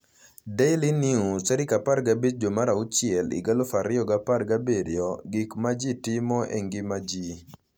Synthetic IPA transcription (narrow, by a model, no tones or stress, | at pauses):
deɪliniusɛɾɪkapaɾɡabed͡ʒd͡ʒomaɾaʊt͡ʃɪɛlɪ̰ɡalofaɾɪɔɡaparɡabeɾɪɔɡɪkmad͡ʒitimɔḛŋɡɪmad͡ʒi